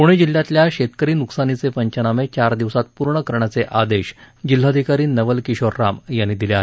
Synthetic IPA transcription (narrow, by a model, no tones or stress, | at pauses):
kuɽ̃ed͡ʑilːjat̪ljaɕet̪kəɾiːnuksanit͡sepəɲt͡ɕənamet͡ɕaɾd̪iʋsat̪̚puɾɳəkəɾɳjat͡seʔad̪eɕ | d͡ʑil̤ːad̪ʱikaɾiːnːəʋəlkiɕoɾːamjanːiːd̪ileaɦe